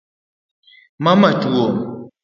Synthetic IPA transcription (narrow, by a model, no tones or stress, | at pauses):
mamatuɔ